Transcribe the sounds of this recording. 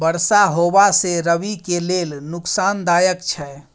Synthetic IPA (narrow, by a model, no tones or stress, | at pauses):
bəɾsaɦobaseɾəʋikelelnʊksand̪ajəkt͡ʃʰɛ